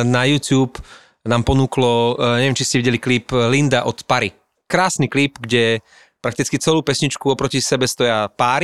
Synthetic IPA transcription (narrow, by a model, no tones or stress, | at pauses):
najuːt̪juːp | naːmpɔnuklɔɲɛvjɛmt͡ʃiscɛʋiɟɛlikliplind̪aʔɔt̪paɾi | kɾaːsniklipɡɟɛ | pɾak̚t̪it͡skit͡sɛluːpɛsɲit͡ʃkuɔpɾɔcisɛbɛst̪ɔjapaːɾi